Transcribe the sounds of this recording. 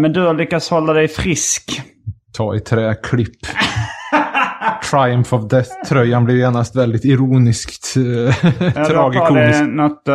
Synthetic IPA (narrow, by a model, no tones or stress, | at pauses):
mɛnd̪ɵhalʏkːat̪shɔlːad̪ɛjfɾɪskt̪ʰɑːɪt̪ʰɾɛːkʰlɪpː | t̪ʰɾajʊmfɔvd̪ɛθt̪ʰːɾœjːanblɪɾeːnast̪vɛld̪ɪt̪ɪɾuːnɪskt̪ | t̪ʰɾɑːɡɪkuːnɛɪsnɔt̪ː